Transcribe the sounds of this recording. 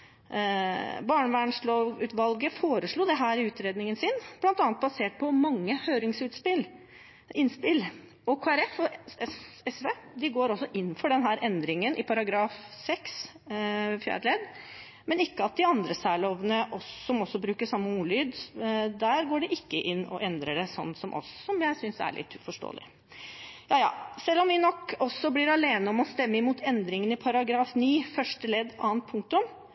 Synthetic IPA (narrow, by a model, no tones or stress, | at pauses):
bɑːɳəʋæːɳʂloːʋʉːt̪ʋɑlɡəfoːɾəʂɭuːd̪ɛɦæːɾɪʉːt̪ɾeːd̪nɪŋənsɪnblɑnt̪ɑnət̪bɑseːʈ̚pʰɔmɑŋːəhøːɾɪŋsʉːt̪spɪl | ɪnːspɪl | ɔkʰoːæɾɛfɔ | ɛsed̪ɪɡoːɾɔsːɔʔɪnːfɔɖɛnɦæːɾʔɛnd̪ɾɪŋənʔɪpʰɑɾɑɡɾɑːfsɛks | fjæ̰ːɾlɛd̪ | mɛnɪkːəɑt̪̚d̪ɪɑnd̪ɾəsæːɭoːʋənəʔɔːɔmɔsːɔbɾʉːkəʂɑmːəuːlyːd̪d̪æːɾɡoːɖɛʔɪkːəʔɪnːɔ̰ʔɛnd̪ɾəɖɛsɔ̰nːsɔmʔɔ̰sːɔmjæɪsʏnsæ̰ɭʔɪ̰t̪ːfɔʂʈo̰ːlɪ̰ | jɑːjɑ̰ːsɛlːɔmʋɪnɔkɔsːɔblɪːɾɑleːnəɔmɔst̪ɛmːəɪmuːt̪ʰɛnd̪ɾɪŋənɪpʰɑɾɑɡɾɑːfniːfœʂʈəlɛd̪ɑ̰ːənt̪̚pʰʊŋk̚t̪ʊm